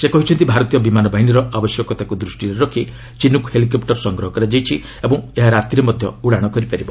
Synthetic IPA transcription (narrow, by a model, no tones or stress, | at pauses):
sekɔɦit͡ʃʰɔnt̪ibʱaɾɔt̪ijɔbimanɔbaɦiɽ̃iɾɔabɔsjɔkɔt̪akud̪ɾusʈiɾeɾɔkʰi | t͡ʃinukhelikɔpʈɔɾsɔŋɡɾɔɦɔkɔɾed͡ʒajt͡ʃʰi | ebɔ̃ŋeɦaɾat̪iɾemɔd̪ʱjɔ̰uɽaɽ̃ɔkɔɾipaɾibɔ